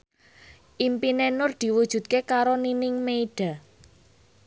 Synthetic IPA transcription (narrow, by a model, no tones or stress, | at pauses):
ʔimpinenʊrd̪̥i̤wud̥ʒ̥ṳt̪̚kekaɾoninɪŋmeiɖ̥a̤